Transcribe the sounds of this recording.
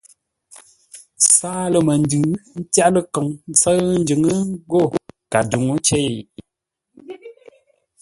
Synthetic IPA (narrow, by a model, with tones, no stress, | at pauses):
saː˦lə˨mə˨n˦dʉ˨n̩˦tja˦ʔlə˦kɔ˨ŋn̩˦sə˦n̩˦d͡ʒɨ˨ŋə˦ɡo˦˨ka˨du˨ŋo˦t͡ʃe˦˨j